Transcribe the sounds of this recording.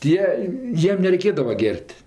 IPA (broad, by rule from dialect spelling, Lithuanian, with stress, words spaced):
ˈtʲiɛ ˈjiɛm nʲɛrʲɛɪˈkʲeːdɐʋɐ ˈɡʲɛrʲtʲ